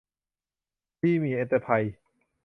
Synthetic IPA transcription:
iː˥˩miː˧ʔe˧˥t̪a˧pʰa˧j

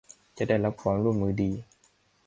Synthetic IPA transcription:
t͡ɕa˨ʔda˥˩jla˦˥p̚kʰɔː˨˦nɾu˥˩ənmɯː˧˦diː˧

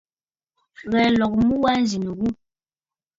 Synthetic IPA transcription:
ɣɛ˨lɔ˨k̚mu˦wa˦n̩˦zi˨n˨ɣu˦

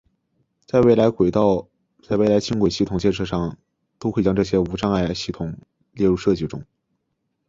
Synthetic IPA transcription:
t͡sa˥˧ɪwe˥˩ɪla˧˥ɪkwe˨˩ɪt̪ɑ˥˧ʊ | t͡sa˥˧we˥˩ɪla˧˥ɪt͡ɕʰi˥ŋkwe˨˩ɪɕi˥˩t̪ʰʊ˨˩ŋt͡ɕjɛ˥˧nʂɤ˥˧ʂɑ˥˩ŋ | t̪o˥ʊxwe˥˩ɪt͡ɕjɑ˥ŋʈ͡ʂɤ˥˩ɕjɛ˥u˧˥ʈ͡ʂɑ˥ŋa˥˩ɪɪɕi˥˩t̪ʰʊ˨˩˦ŋ | ljɛ˥˧ɻu˥˧ʂɤ˥˧t͡ɕi˥˩ʈ͡ʂʊ̰˥ŋ

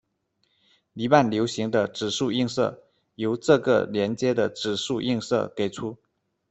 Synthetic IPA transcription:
li˧˥pa˥˩nljo˧˥ʊɕi˧˥ŋd̪ə˧ʈ͡ʂɻ̩˨˩ʂu˥˧i˥˧ŋsɤ̰˥˩ | jo˧˥ʊʈ͡ʂɤ˥˧ɡə̰˥˩ljɛ˧˥nt͡ɕjɛ˥d̪ə˨ʈ͡ʂɻ̩˨˩ʂu˥˧ʔi˥˧ŋsɤ̰˥˩ke˨˩ɪʈ͡ʂʰu˥

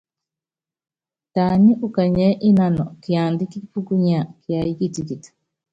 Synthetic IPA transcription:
ta˨ɲi˦ʔu˦ka˨ɲɛ˦ʔi˦na˦nɔ˨ki˨a˨ndi˦ki˦pu˦ku˦ɲa˨ki˨a˨ji˦ki˦ti˨ki˨tḁ˨

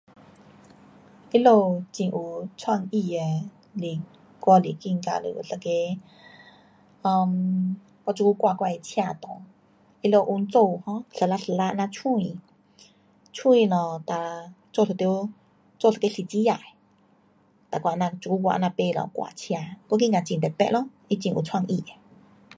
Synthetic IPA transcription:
ʔi˦lo˥˧t͡ɕĩ˧ʔu˧˩t͡sʰwa˧ŋʔi˧e˧ | li˨ | kwa˧li˨ki˧˨ŋka̰˧lṵ˨ʔṵ˨ɬə˧ke˧ | ɔ˧m | kɔ˧t͡ʃu˧ku˧˦kwa˧˨kwa˧e˧˨t͡ɕʰja˧˨t̪ɔ˨ | i˦lo˧˨ʔu˧nt͡so˥˧˨hɔ̃˧˦ɬə˨la˧ʔɬə˧˨la˦˧ʔnã˧t͡ɕʰũ˧ĩ˧ | t͡ɕʰũ˧ĩ˧˨lɔ̃˨t̪a˨ | t͡so˧ɬʰə˨t̪jo˦ | t͡so˧ɬə˧ke˧˦ɬi˨t͡ɕi˦ja˧˨e˨ | t̪a˨kʷa˧˨nã˧t͡ʃu˧˨u˧wa̰˧ʔnã˧pe˧˨lɔ̰̃˨kwa̰˧˨t͡ɕʰja˧˨kɔ˧˦k̬i˧ŋka˨˧t͡ɕĩ˧˨t̪e˨pɛ̰˧ʔlɔ˦ | i˧t͡ɕi˧ŋu˧˨t͡sʰwa˧ŋʔi˧˨e˨

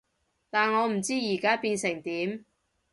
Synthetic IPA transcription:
t̪aː˨nŋɔː˨˧m̩˨˩t͡siː˥jiː˨˩kaː˥piː˧nsɪ˨˩ŋt̪iː˨˥m

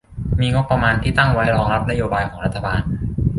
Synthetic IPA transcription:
miː˧ŋo˦˥kpːa˧maː˧nt̪ʰiː˥˩t̪a˥˩ŋwa˦˥jɾɔː˧ŋɾa˦˥p̚na˦˥joː˧baː˧jkʰɔː˩˦ɾa˦˥t̪ʰːa˧baː˧n

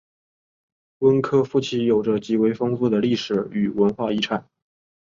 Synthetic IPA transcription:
wə˥nkʰɤ˥fu˥˩t͡ɕʰi˥jo˨˩ʊʈ͡ʂə˦t͡ɕi˧˥we˧˥ɪfɤ˥ŋfu˥˩d̪ə˩li˥˩ʂɻ̩˨˩˦y˨˩wə˧˥nxwa˥˧i˥ʈ͡ʂʰa˨˩˦n

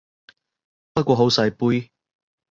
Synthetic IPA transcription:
pɐ˥t̚kʷɔː˧ɦo˨˥wsɐ˧jpuː˥j

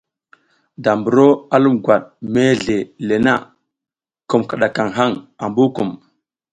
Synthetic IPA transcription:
da˨mbu˨ɾo˦a˦lu˦mɡʷa˨ɗme˦ɮe˨le˨na˦ | ku˨mkə˨ɗa˨ka˨ŋɦa˦˨ŋa˨mbu˦ku˨m

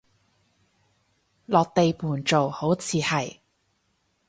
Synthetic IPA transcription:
lɔː˨k̚t̪e˨jpuː˨˩nt͡so˨who˨˥wt͡sʰiː˨˧hɐ˨˩j

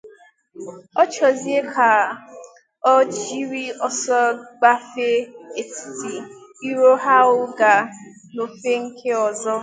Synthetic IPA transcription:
ɔ˦t͡ʃɔ˨zi˦e˦kʰa˨ | ɔ˦t͡ʃi˦ɾi˦ɔ˨sɔ˦ɡ͡ba˦fe˦e˨ti̥˨ti˨i˦ɾo˦ɦa˦ʊ˦ɡa˨ | no˨fe˦ŋ̩˦kʰe˦ɔ˨zɔ˦

